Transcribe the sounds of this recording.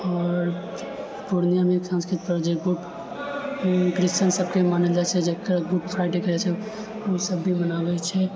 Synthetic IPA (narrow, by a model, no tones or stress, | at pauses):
ɔːɾ | puɾnijamẽksãnskɾɪt̪̚pəɾd͡ʒeɡuʈ | kɾɪst͡ʃənsəb̚kemaned͡ʒat͡ʃʰɛd͡ʒekɾɡuʈpʰɾaɪʈekəɾat͡ʃʰɛ | osəbːimənaɡəet͡ʃʰɛ